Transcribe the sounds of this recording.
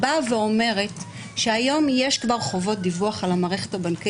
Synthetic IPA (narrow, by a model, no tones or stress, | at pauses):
baveo̞me̞ʁe̞t | ʃeajo̞mjeʃkvaʁχo̞vo̞t̚divuaχalamaːʁeχe̞thabanka